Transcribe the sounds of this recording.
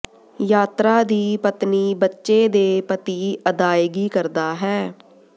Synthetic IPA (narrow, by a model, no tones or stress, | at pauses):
jaːt̪ɾaːd̪iːpət̪niːbətːʃeːd̪eːpət̪iːəd̪aːeɡiːkəɾd̪aːɦɛː